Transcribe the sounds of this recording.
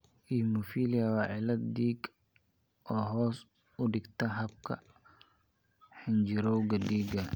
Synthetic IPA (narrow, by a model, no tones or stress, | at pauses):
ʔimʊfiliɐwɑːʕɪlɐd̪d̪iːɡ | ʔɔːɦɔːs | ʊɖɪɡt̪ʰɐɦɐb̚kʰɐ̰ | ħɪnd͡ʒɪɾɔwɡɐdiːɡɐ